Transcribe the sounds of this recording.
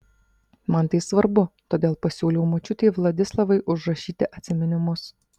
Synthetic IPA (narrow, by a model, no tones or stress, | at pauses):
mɐnt̪ɐɪsʋɐɾbʊt̪oːd̪ʲeːlˠpɐsʲuːlʲɛʊmot͡ʃʲʊt̪ʲeːʋlˠɐd̪ʲɪslˠɐʋɐɪʔʊʒɾɐʃʲiːt̪ʲɪʔɐt̪ʲsʲɪmʲɛnʲɪmʊs